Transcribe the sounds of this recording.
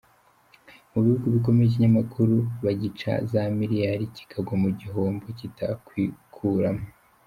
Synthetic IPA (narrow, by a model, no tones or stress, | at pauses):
muβihuɡuβik̬o̞meʒiɲamakʰuɾuβaɟit͡ʃa̰zamiɾijaɾici̥kʰaɡomuɟiɦo̞ːmbocitakwiːkʰuɾamo